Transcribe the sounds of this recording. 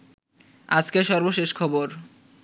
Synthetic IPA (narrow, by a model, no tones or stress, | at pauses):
ad͡ʑkeʃɔɾboʃeʃkʰɔboɾ